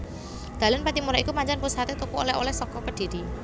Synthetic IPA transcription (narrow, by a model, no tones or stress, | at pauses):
d̪̥a̤lanpat̪imuɾaikupaɲt͡ʃanpusat̪et̪ukuo̰lɛho̰lɛhsɔkɔkəɖ̪̥iɾi